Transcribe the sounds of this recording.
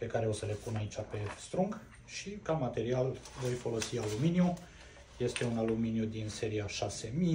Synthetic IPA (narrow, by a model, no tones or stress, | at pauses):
pe̞kaɾeo̞səle̞punait͡ʃape̞st̪ɾuŋk | ʃikamat̪e̞ɾialvo̞jfo̞lo̞sialuminju | je̞st̪e̞unaluminjud̪inse̞ɾiaʃase̞mi